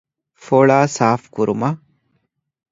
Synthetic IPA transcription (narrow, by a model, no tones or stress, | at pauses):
foɭaːsaːfkuɾumɐ